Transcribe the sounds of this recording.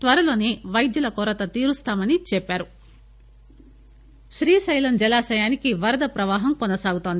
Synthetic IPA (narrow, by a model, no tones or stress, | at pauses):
t̪ʋɐɾɐlo̞ːneːʋɐjd̪julɐkɔːɾɐt̪ɐt̪iːɾust̪aːmɐnit͡ʃɛpːaːɾu | ʃɾiːsɐjlɐmd͡ʒɛlaːʃɐjaːnikiʋɐɾɐd̪ɐpɾɐʋaːɦɐmkɔnɐsaːɡut̪oːnd̪i